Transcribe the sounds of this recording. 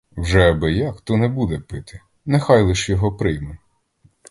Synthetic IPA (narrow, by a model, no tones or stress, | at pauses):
wʒɛɐbɪjakt̪ɔnɛbud̪ɛpɪt̪ɪ | nɛxɑjlˠɪʃjɔɦɔpɾɪjmɛ